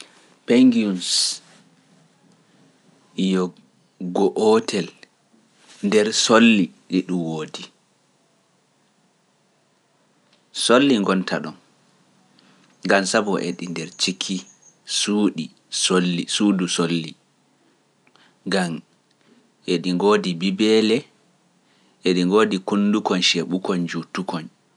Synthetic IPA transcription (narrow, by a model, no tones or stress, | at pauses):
peŋɡiuns | ijɔ | ɡɔʔɔtʰɛl | ndɛɾsolːiɗiɗumwoːdi | solːiŋɡɔntʰa̰ɗɔn | ŋɡansabɔʔeɗindɛɾt͡ʃikʰːi | suɗi | solːisuːdusolːi | ɡam | ʔeɗiŋɡoːdibibɛlɛ | ʔeɗiŋɡoːdikundukɔnʃeɓukɔnd͡ʒutukɔn